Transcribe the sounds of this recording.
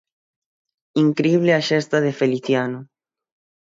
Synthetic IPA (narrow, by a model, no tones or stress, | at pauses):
iŋkɾeiβ̞leaʃest̪aðefeliθjano